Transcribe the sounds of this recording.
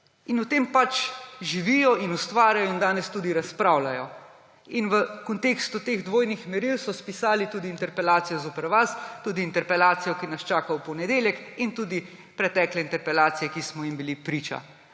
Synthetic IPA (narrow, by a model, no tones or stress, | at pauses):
inut̪eːmpat͡ʃʒiʋiːjɔinust̪ʋaːɾjajɔind̪aːnɛst̪uːd̪iɾaspɾaːwlajɔ | inʋəkɔnt̪eːkst̪ut̪eːɣd̪ʋoːjnixmɛɾilsɔspisaːlit̪uːd̪iːnt̪ɛɾpɛlaːt̪sijɔzoːpəɾʋast̪uːd̪iːnt̪ɛɾpɛlaːt̪sijɔkinast͡ʃaːkawpɔnɛd̪eːljɛkint̪uːd̪i | pɾɛt̪ɛːklɛint̪ɛɾpɛlaːt̪sijɛkismɔjimbilipɾiːt͡ʃa̰